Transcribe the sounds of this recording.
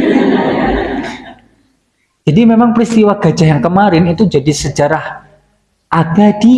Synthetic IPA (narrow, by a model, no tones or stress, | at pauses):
d͡ʒinimemaŋpɾist̪iwaɡ̥a̤̥d͡ʒ̥a̤ɦjaŋkəmaɾɪnit̪ud͡ʒadisə̥d͡ʒa̤ɾah | ʔaɡ̥ad̥i